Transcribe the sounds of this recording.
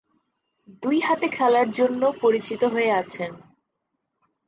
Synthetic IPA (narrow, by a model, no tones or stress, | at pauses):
d̪ujɦat̪ekʰɛlaɾd͡ʑonːopoɾit͡ɕit̪oɦoeat͡ɕʰen